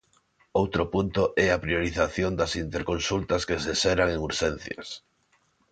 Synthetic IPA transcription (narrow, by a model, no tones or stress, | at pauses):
owt̪ɾopunt̪ʊʔɛapɾioɾiθaθjond̪ɐsint̪eɾkonsult̪ɐskesesɛɾaŋeŋuɾʃɛn̟θjɐ̰s